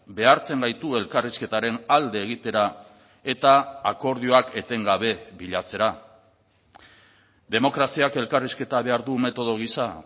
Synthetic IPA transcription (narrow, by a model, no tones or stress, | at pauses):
be̞aɾt͡se̞ŋɡajt̪ue̞lkariske̞t̪aɾe̞nald̪e̞ːɣ̞it̪e̞ɾa | e̞t̪aːko̞ɾð̞ioake̞t̪e̞ŋɡaβ̞e̞βiʎat͡se̞ɾa | d̪e̞mo̞kɾasiake̞lkariske̞t̪aβe̞aɾðume̞t̪o̞ð̞oɣ̞isa